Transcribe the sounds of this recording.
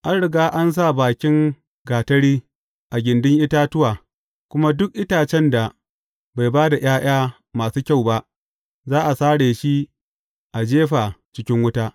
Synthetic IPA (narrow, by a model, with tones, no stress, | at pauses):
ʔa˦nɽɪ˨ɡaː˦ʔa˦ns̬a˦˨baː˨kʲɪ˦ŋ | ɡaː˨tɐ˦ɽiː˦ | ʔa˨ɡʲɪ˨ndʊ˦ŋʔɪ˦taː˦tʊ˦waː˨ | kʷʊ˦ma˦dʊ˦k̚ʔɪ˦taː˨t͡ʃɛ˦nda˨ | ba˨jbaː˦da˨j̰aː˦j̰aː˦ | maː˨suː˦kʲa˦˨wba˦ʔ | zaː˦ʔa˨saː˦ɽeː˨ʃi˦ | ʔa˨d͡ʒeː˦ɸa˨t͡ʃɪ˦kʲɪ˦ŋwʊ˦taː˦